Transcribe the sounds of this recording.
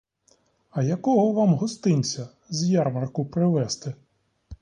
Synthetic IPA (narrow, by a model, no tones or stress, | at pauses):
ɐjɐkɔɦɔʋɑmɦɔst̪ɪnʲt͡sʲɐ | zjɑrmɐrkʊpɾɪʋɛst̪ɪ